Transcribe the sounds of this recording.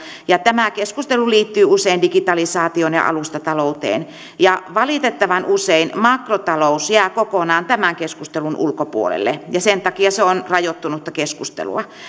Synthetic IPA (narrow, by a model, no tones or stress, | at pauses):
jɑt̪æmækeskust̪eluliːt̪ːyːuseindikit̪ɑlisɑːt̪ionjɑ̰ʔɑ̰lust̪ɑt̪ɑlout̪ḛːn | jɑʋɑliˑt̪et̪ːɑʋɑnuseinmɑkrot̪ɑlousjæːkokonɑːnt̪æmæŋkeskust̪elunʔṵlkopṵolḛlːejɑsent̪ɑkiɑseonrɑjot̪ːunut̪ːɑkeskust̪ḛlṵɑ